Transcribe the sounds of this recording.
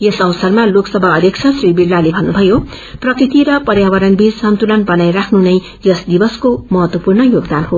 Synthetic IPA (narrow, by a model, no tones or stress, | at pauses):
esʌwsʌrmaloksʌbʱaʌd̪jʌkt͡sʰʌsribiɽːalebʱʌnːubʱʌjo | prʌkrit̪iɾʌpʌɾjawʌɾʌnbid͡zsʌnt̪ulʌnbʌnajrakʰnunʌj | jʌsd̪ibʌskomʌɦʌt̪wʌpurɳʌjoɡd̪anɦo